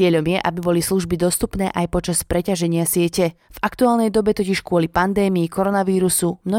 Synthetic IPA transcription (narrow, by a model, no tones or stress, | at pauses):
ɛʎɔmjɛʔabibɔlisluʒbid̪ɔst̪upnɛ̰ːʔajpɔt͡ʃaspɾɛcaʒɛɲɪasɪɛcɛvakt̪uaːlnɛjd̪ɔbɛt̪ɔciʃkʊɔlipand̪ɛːmiːkɔɾɔnaʋiːɾusumnɔ